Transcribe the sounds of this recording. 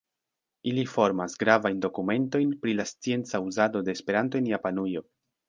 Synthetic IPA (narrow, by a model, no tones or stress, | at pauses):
ilifo̞ɾmasɡɾavajndo̞kume̞nto̞jnpɾilast͡sie̞nt͡sauzado̞de̞ːspe̞ɾanto̞enjapanujo̞